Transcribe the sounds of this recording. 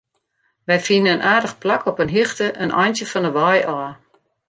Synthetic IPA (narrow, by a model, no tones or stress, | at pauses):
ʋɛjfinəənʔaːdəxplakɔpənɦixtəʔənʔɔ̰jntjəfɔnəʋɔjɔː